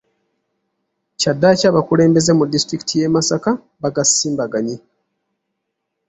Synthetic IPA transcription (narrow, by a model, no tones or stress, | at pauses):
cadːacaːβakule̞ːmbe̞zemudːistɾiki̥tʰije̞masaka | βaɡasiːmbaɡaɲi